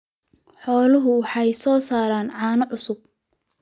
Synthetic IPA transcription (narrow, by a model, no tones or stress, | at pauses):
ħɔːlɐɦʊwɑħɑjsɔːsaːɾaːnʕɑːnɐʕʊsʊb̚